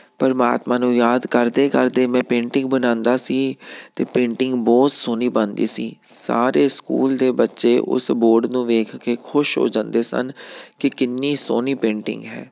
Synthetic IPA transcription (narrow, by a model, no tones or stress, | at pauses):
pəɾma̰ːt̪mãːnũːjaːd̪kəɾd̪eːkəɾd̪eːmɛ̃ːpẽːɳʈɪ̃ŋɡbənãːnd̪aːsiːt̪eːpẽːɳʈɪŋɡbɔːt̪soːniːbənd̪ḭːsiːsa̰ːɾeːskṵːld̪eːbətːʃeːʔʊ̰sboːɾɖnũːʋeːkʰkeːkʰʊʃɦo̰ːd͡ʒãːnd̪eːsə̰nkɪkɪnːiːso̰ːniːpẽːɳʈɪ̰̃ŋɡɦɛ̰ː